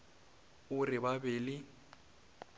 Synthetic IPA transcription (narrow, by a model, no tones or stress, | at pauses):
ʊrɪbabɪːlɪ